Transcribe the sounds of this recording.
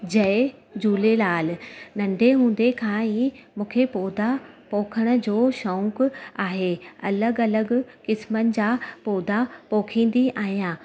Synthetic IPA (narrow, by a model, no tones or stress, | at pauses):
d͡ʑɐed͡ʑuːlelaːlnɐ̃ɳɖʱeɦũːn̆d̪ekʰãːĩmũːkʰepoːd̪apoːkʰəɽ̃ʊ̆d͡ʑoːʃɔ̃ʊkaːɦeɐ̰ləɡɐləɡkɪsmənɪ̆d͡ʑaːpoːd̪apoːkʰĩːn̆d̪iaːɦijãː